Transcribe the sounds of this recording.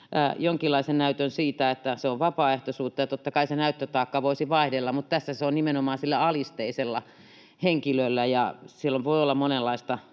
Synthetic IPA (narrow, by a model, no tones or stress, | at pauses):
ʔæjoŋkilːˑɑisennæyt̪ønsiːt̪æet̪ːæseoʋʋɑpɑːeht̪osuːt̪ːɑjɑt̪ot̪ːɑkɑisenæyt̪ːøt̪ɑːkːɑʋoisiʋɑihdelːɑmmut̪t̪æsːæseonnimenomɑːnsilːæɑlist̪eiselːɑ̰ | heŋkilølːæjɑsilːoʋʋoiolːɑmonelːɑist̪ɑ